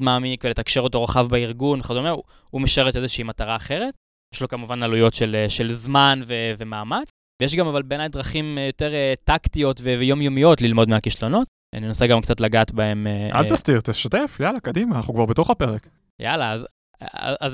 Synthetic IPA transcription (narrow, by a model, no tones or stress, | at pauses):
dmaːmikvele̞t̪akʃeʁot̪o̞ʁaχavbeiʁɡunχad̪o̞me | umeʃeet̪ezeʃiiːmat̪aʁaːχe̞ʁe̞t | jeʃlo̞kamuvanalujo̞tʃeleʃe̞lzmanveve̞maːmat͡s | vejeʃ̬ɡamavalbeːnajd̪ʁaχimjo̞te̞ʁetaktio̞t̪vevejo̞mjo̞mijo̞tlilmo̞d̪meakiʃlo̞no̞t̪ | a̰ninosaɡamkt͡sat̪laɡaːt̪bae̞meʔa̰ltast̪iʁt̪eʃat̪efjalakad̪imaːnaχnukvaʁbeto̞χapeʁek | ja̰laaz | a̰zaz